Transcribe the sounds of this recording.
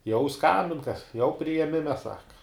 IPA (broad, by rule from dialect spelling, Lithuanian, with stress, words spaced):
jɛʊ ˈskɐmʲbʲɪn kɐs jɛʊ pʲrʲɪjɛˈmʲɪmʲɛ ˈsɑːkɐ